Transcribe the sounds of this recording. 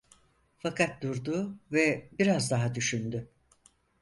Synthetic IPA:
fakʰat̪̚d̪uɾd̪uvɛbiɾazd̪aɦad̪yʃynd̪y

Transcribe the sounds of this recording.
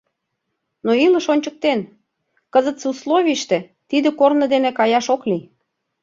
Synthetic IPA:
noilə̆ʃonʲt͡ɕə̆k̚t̪en | kəzə̆t̪suslˠoβʲiʃt̪ĕ | t̪id̪ĕkornə̆d̪enĕkɑjɑʃokli

